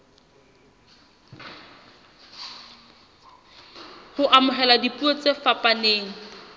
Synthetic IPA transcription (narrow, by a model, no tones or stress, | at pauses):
hʊʔamʊɦɛladipuet͡sefapʼaneːŋ̩